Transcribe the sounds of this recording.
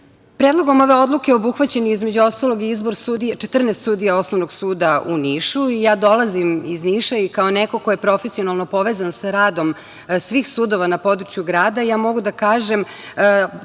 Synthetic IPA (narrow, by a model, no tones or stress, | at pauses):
pɾeːd̪lˠo̞ɡo̞mo̞ʋe̞o̞d̪lukeobuxʋat͡ɕe̞niizmed͡ʑuo̞st̪alˠo̞ɡiizboɾsud̪it͡ʃet̪r̩nest̪suːd̪ijao̞snoʋnoɡsuːd̪aṵniʃuijaːd̪o̞lazimizniʃaikaoneko̞kojepɾo̞fesio̞nalˠno̞po̞ʋeːzansaɾaːd̪o̞m | sʋiːxsuːd̪o̞ʋanapo̞d̪ɾut͡ʃjuɡɾaːd̪ajaːmo̞ɡud̪akaːʒem